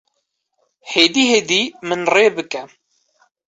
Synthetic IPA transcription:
heːd̪iːheːd̪iːmɨnreːbɨkɛ

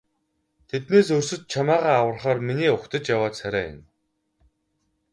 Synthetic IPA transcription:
t̪ʰet̪neːsɵrsɵ̆t̪̚t͡ɕʰamaːʁaːawə̆rχaːrminiːʊkt̪ə̆t͡ɕjawaːt̪sæɾʲæːjʊ̰n

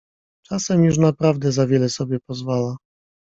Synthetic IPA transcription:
t͡ʂasɛmjuʂ̬napɾavd̪ɛzavʲjɛlɛsɔbʲjɛpɔzvala

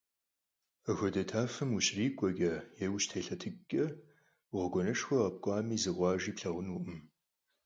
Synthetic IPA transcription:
ɐxʷɔdɐtʰaːfɨmuɕriːkʷʼɔɡɐjewɕtʰeːɬɐtʰɨɡʼɐ | ʁəɡʷɔnɐʂxʷɐʁɐp̚kʷʼɑːmiːzɨʁʷɑːʒiːpɬɐʁʷʊnuʔɨm

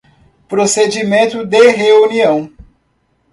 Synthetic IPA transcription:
pɾosed͡ʒimẽnt̪ʊd̪eɦeuniɐ̃w̃

